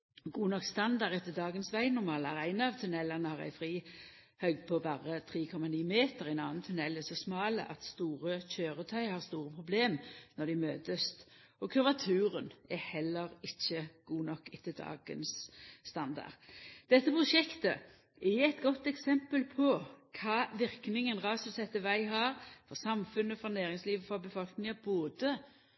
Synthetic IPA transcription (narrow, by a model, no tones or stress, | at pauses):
ɡuːnɔkst̪ɑnd̪ɑʁɛt̪ːəd̪ɑːɡənsʋæɪnʊɾmɑːlæʁæɪnɑɑʋt̪ʰʉnɛlːɑnəhɑʁæ̰ɪfʁiː | hœʏɡd̪̚pʰɔbɑʁət̪ʰʁiːkʰɔmːɑniːmeːt̪əɾɛnɑːnt̪ʰʉnɛlːæsɔsmɑːlə̰ʔɑ̰t̪st̪uːʁəçøːɾət̪ʰœʏhɑʁst̪uːɾəpʰʁʊbleːmnɔd̪ɪmøːt̪əst̪ | ʔɔkʰʉʋɑt̪ʰʉːɾənɛhɛlːəɾɪçːəɡ̥uːnɔkːɪt̪ːɪld̪ɑ̰ːɡə̰nsːt̪ɑnd̪ɑ̰ʁd̪̥ɛt̪ːəpʁʊʂɛkt̪ə | ʔæɛt̪ɡɔt̪ːɛksɛmpəlpʰɔkʰɑːʋɪʁknɪŋənʁɑːsʉsɛt̪ːəʋæɪɦɑːɾfɔɾsɑmfʉnːəfɾɑnæːɾɪŋsliːʋəfɾɑbəfɔlknɪŋɑboːd̪ə